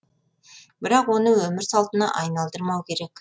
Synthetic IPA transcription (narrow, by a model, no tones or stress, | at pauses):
bɪɾɑqwo̞nəwɵmɪɾsɑlˠt̪ənɑ̰ʔɑjnɑlˠd̪əɾmɑwkʲʰe̞ɾe̞kʲ